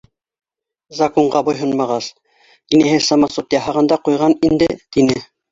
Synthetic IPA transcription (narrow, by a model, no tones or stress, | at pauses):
zɐkoɴɢɑbŏjɦonmɑʁɑs | t̪inɘɦɘsɑmɑsot̪jɑɦɑʁɑ̆nd̪ɑqujʁɑnind̪ɘt̪inɘ